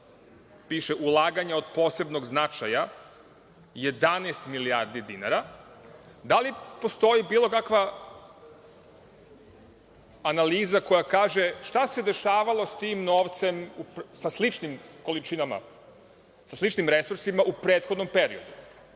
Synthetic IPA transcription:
piːʃeʔulˠaːɡaɲao̞d̪po̞ːse̞bno̞ɡznat͡ʃaja | je̞d̪aneːst̪milijaɾd̪id̪ina̰ɾa | d̪alipo̞st̪o̞ibiːlˠo̞kakʋa | analiːzako̞jakaːʒeʃt̪ase̞d̪e̞ʃaːʋalˠo̞st̪imnoːʋt̪se̞musaslit͡ʃnimko̞lit͡ʃinama̰ | saslˠit͡ʃnimɾesuɾsimaʔupɾe̞ːt̪xo̞d̪nompe̞ɾio̞d̪u

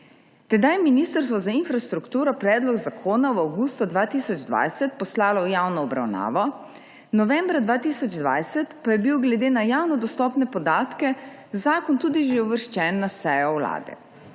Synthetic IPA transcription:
t̪ɛd̪ajɛminiːst̪əɾst̪ʋɔzainfɾast̪ɾukt̪uːɾɔpɾɛːd̪lɔɡzakʰoːnawawɡuːst̪ud̪ʋaːt̪iːsɔd͡ʒd̪ʋa̰jsɛt̪pɔslaːlɔwjawnɔɔbɾa̰wna̰ːʋɔ | nɔʋɛ̃mbɾad̪ʋaːt̪isɔd͡ʒd̪ʋa̰jsɛt̪pajɛbiwɡlɛd̪eːnajaːwnɔd̪ɔst̪ɔːpnɛpɔd̪aːt̪kɛ | zaːkɔnt̪uːd̪iʒeɔʋəɾʃt͡ʃɛːnːasɛjɔwla̰ːd̪ɛ̰

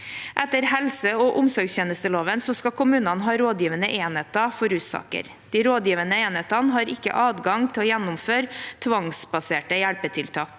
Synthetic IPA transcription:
ʔɛt̪əɾhɛlsəoːʔʊmsɔɾɡst̪jeːnəst̪əloːʋənsɔskɑkʰʊmʉːnɑnɦɑːɾoːd̪jiːʋənəʔeːnheːt̪ɑfɔɾʉːt̪sɑ̰ːkə̰ɾ | d̪̥iːɾoːd̪jiːʋənəeːnheːt̪ɑnɦɑːɾɪkːə̰ʔɑːd̪ɡɑŋt̪ʰɪlɔːjænːʊmføːɾt̪ʰʋɑŋsbɑseːʈəjæɭpət̪ʰɪlt̪ʰɑːk

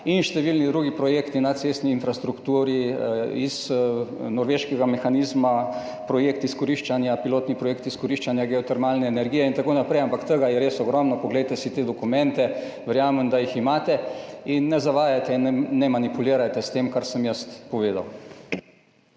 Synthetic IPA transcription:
inʃt̪ɛʋilnid̪ɾuːɡipɾɔjeːkt̪inat̪sest̪niːnfɾast̪ɾukt̪uːɾiiz | nɔɾʋeʃkɛɡamɛxaniːzma | pɾɔjekt̪iskɔɾiʃt͡ʃanjapiloːt̪nipɾɔjeːk̚t̪iskɔɾiʃt͡ʃanjaɡɛɔt̪ɛɾmaːlnɛːnɛɾɡiːjɛint̪akoːnapɾɛjampakt̪əɡajɛɾesɔɡɾɔmnɔkɔɡlɛjt̪ɛsit̪eːd̪ɔkumɛ̃nt̪ɛ | ʋɛɾjaːməmd̪ajiximaːt̪ɛinːɛzaʋaːjat̪ɛinɛːɛmanipuliːɾajt̪ɛst̪eːmkaɾsəmjəst̪pɔʋeːd̪a̰w

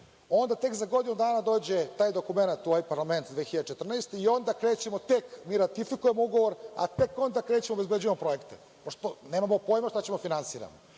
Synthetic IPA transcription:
o̞nd̪at̪e̞kzaɡo̞d̪inud̪aːnad̪o̞ːd͡ʑet̪aːjd̪o̞kume̞nat̪ːoajpaɾlˠame̞nt̪d̪ʋexçiʎad̪et͡ʃet̪r̩neːst̪eio̞nd̪akɾeːt͡ɕemo̞t̪ekmiːɾat̪ifikuje̞mouɡoʋoɾa̰t̪e̞ko̞nd̪akɾeːt͡ɕemobe̞zbed͡ʑujemopɾo̞je̞kt̪e | poʃt̪one̞ːmamopo̞ːjmaʃt̪at͡ɕemofinansiːɾa̰mo

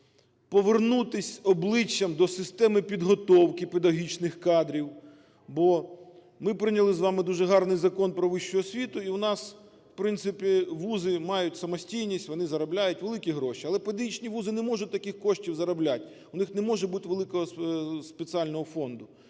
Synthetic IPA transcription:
pɔʋernut̪ɪsʲɔblˠɪt͡ʃʲːɐmd̪ɔsɪst̪ɛmɪpʲid̪ɦɔt̪ɔwkɪped̪ɐɔɦʲit͡ʃnɪxkɑd̪ɾʲiw | bɔ | mɪpɾɪnʲɐlˠɪzʋɑmɪd̪uʒɛɦɑrnɪjzɐkɔnpɾɔʋɪʃt͡ʃʊɦɔsʲʋʲit̪ʊiwʊnɑs | ʋpɾɪnt̪sɪpʲiʋuzɪmɑjʊtʲsɐmɔsʲtʲijnʲisʲtʲʋɔnɪzɐɾɐblʲajʊtʲʋelˠɪkʲiɦɾɔʃiɐlˠɛped̪ɐɦʲit͡ʃnʲiʋuzɪnɛmɔʒʊt̚ʲt̪ːɐkɪxkɔʃtʲiwzɐɾɐblʲatʲ | ʊnɪxnɛmɔʒɛbut̪ɪʋelˠɪkɔɦɔspesiɑlʲnɔɦɔfɔnd̪ʊ

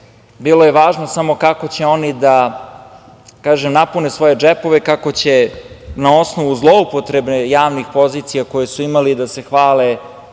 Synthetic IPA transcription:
bilo̞je̞ʋaːʒnosamo̞kako̞t͡ɕe̞o̞nid̪a | kaːʒemnapunesʋo̞je̞d͡ʒepo̞ʋekako̞t͡ɕe̞nao̞sno̞ʋuzlˠoupo̞t̪ɾebnejaːʋnixpo̞ziːt̪sijako̞jesuimalid̪ase̞xʋaːle

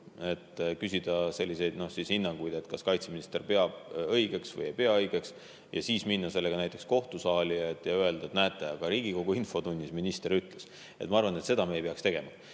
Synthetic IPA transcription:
e̞t̪ːkysʲid̪̥ɑse̞lʲːise̞jd̪̥no̞hsishinːɑŋɡ̥ujd̪e̞t̪ːˑkɑskɑjt̪seminist̪erpe̞ɑb̥ɤjɡ̥e̞ksvɤjepeɑɤjɡ̥e̞ks | jɑ̰siːsminːɑse̞lːe̞ɡ̥ɑnæjt̪ːˑeksko̞ht̪usɑːlʲiet̪ːjɑye̞ld̪̥ɑet̪næːt̪ːˑeɑɡ̥ɑɾiːɡ̥iko̞ɡ̥uinfo̞t̪unʲːisminist̪e̞ɾyt̪ˑles | et̪ːˑmɑɑrvɑne̞t̪se̞d̪ɑmeejpeɑkst̪e̞ɡ̥e̞mɑ

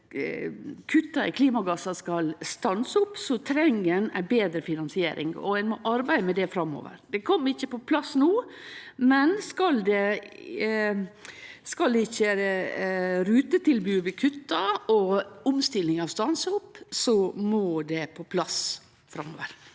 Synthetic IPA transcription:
kʰʉt̪ːɑɪ̰kʰliːmɑɡɑsɑskɑlst̪ɑnsʊpːsɔt̪ʰɾɛŋːənæ̰ɪbeːd̪ɾəfɪnɑnsɪeːɾʔɪ̰ŋɔ̰æɪnmɔʔɑɾbæɪd̪əmɛd̪ɛfɾɑmːo̰ːʋə̰ɾd̪ɛkʰɔmːɪçːəpɔpʰlɑsnuːmɛnskɑld̪ɛ | skɑld̪ɛɪçːə | ɾʉːt̪ət̪ɪlbʉːʋɪkʰʉt̪ːɑɔʊmst̪ɪlɪŋɑʋst̪ɑnsəʊpsɔmɔd̪ɛpʰɔpʰlɑs | fɾɑmːo̰ːʋəɾ

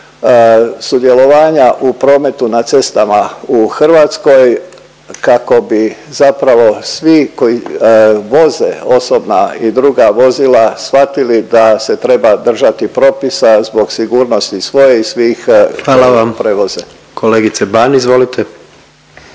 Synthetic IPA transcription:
sud̪je̞lo̞ʋaːɲaʔupɾo̞ːme̞t̪unat̪se̞st̪amauxr̩ʋat̪sko̞j | kako̞bizapɾaʋo̞sʋiko̞ji | ʋo̞zḛo̞so̞bnaid̪ɾuɡaʋo̞zilˠasfat̪ilid̪ase̞t̪ɾe̞bad̪r̩ʒat̪ipɾo̞ːpisazbo̞ɡsiɡuːɾno̞st̪isʋo̞je̞isʋiːxʋaːlaʋampɾeʋo̞ze | kʰoleːɡit̪sebanizʋo̞lit̪ʰe

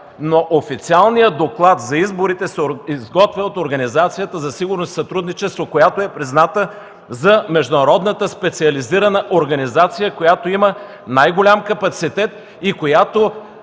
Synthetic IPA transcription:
noʔofit̪sialˠnijəd̪oklˠat̪zɐizboɾit̪ɛsɛizɡɔt̪vɛot̪oɾɡɐnizat̪sijət̪əzɐsiɡʊɾnosi̥sɐt̪ɾud̪nit͡ʃɛst̪vokojat̪oɛpɾiznat̪ə | zɐmɛʒd̪ʊnɐɾɔd̪nət̪əspɛt̪siɐliziɾənəʔoɾɡɐnizat̪sijəkojat̪oimə | najɡolʲamkɐpɐt̪sit̪ɛt̪̚ | ikojat̪o

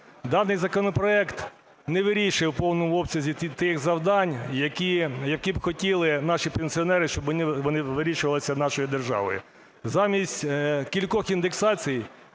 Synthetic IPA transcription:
d̪ɑnɪjzɐkɔnɔpɾɔɛkt̪ | nɛʋɪɾʲiʃɪwpɔwnɔmʊɔbsʲɐzʲit̪ɪxzɐwd̪ɑnʲjɐkijɐkʲibxɔtʲilˠɪnɑʃipenʲsʲiɔnɛɾɪʃt͡ʃɔbɔnɪʋɔnɪʋɪɾʲiʃʊʋɐlˠɪsʲɐnɑʃɔjid̪erʒɑ̰ʋɔ̰jʊ̰ | zɑmʲisʲtʲkʲilʲkɔxind̪eksɑt͡sʲijj

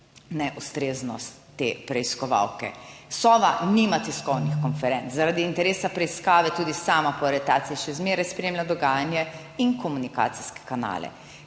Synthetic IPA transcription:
nɛʔust̪ɾeːznɔst̪ːeːpɾɛiskɔʋa̰wkɛ̰sɔːʋaniːmat̪ɛskɔwnixkɔnfɛɾɛnt̪zaɾad̪iːnt̪ɛɾeːsapɾɛiskaːʋɛt̪uːd̪isaːmapɔɾɛt̪aːt̪siʃɛzmeːɾɛjspɾeːmlʲad̪ɔɡaːjanjɛ | iŋkɔmunika̰ːt̪siskɛ̥kana̰ːlɛ̰

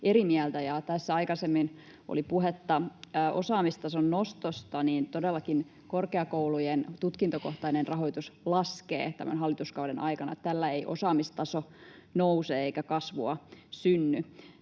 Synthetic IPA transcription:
eɾimiælt̪æjɑt̪æsːæɑikɑsemːin | ʔo̰lipuɦet̪ːɑʔosɑːmist̪ɑsonːost̪ost̪ɑniːnt̪odelːɑkin | korkeɑkoulujent̪ut̪kint̪okoht̪ɑinenrɑɦo̞jt̪uslɑskḛːt̪æ̰mæ̰nɦɑlːit̪uskɑudenɑikɑnɑ̰t̪t̪ælːæeiʔo̰sɑːmist̪ɑsonouseeikækɑsʋuɑsynːy

